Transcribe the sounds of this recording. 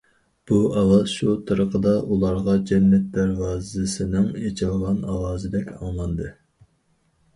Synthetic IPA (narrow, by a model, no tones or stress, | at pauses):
b̥uɑwɑz̥ʃut̪ʰɨɾəqʰəd̪ɑʔulˠɑɾʁɑd͡ʒɛnːɛt̪̚d̪æɾwɑːzɪsɪnɪŋet͡ʃʰɪlˠʁɑnɑwɑːzɨd̪ɛkʲʰɑ̰ŋlˠɑnd̪ɨ